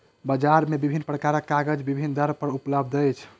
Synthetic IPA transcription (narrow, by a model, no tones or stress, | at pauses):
bəd͡ʒaɾmebibʱinːpɾəkaɾəkːaɡəd͡ʒbibʱind̪ʱəɾpəɾupləbd̪əjt͡ʃʰ